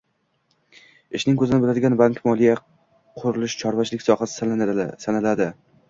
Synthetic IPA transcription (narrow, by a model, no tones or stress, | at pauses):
ɪʃnɪŋkʰɵzɪnɪbɪlad̪ɪɡʲanbaŋkmɒlija | qʰʊɾɪlɪʃt͡ʃʰɒɾvat͡ʃʰlɪkʲsɒχassanalad̪ɪ